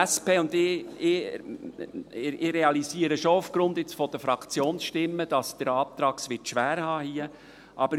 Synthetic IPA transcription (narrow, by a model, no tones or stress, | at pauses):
speːʊndɪɪ | ɪɾeɑliziːəɾəʃoufɡ̥ɾʊnd̪ɪt͡sfɔd̥̪əfɾɑkʰt͡sjoːnsʃtɪmːəd̥ɑsd̥əɾɑːt̪ɾɑːksʋɪtʃʋæːɾhɑːhiːə | ʔɑbə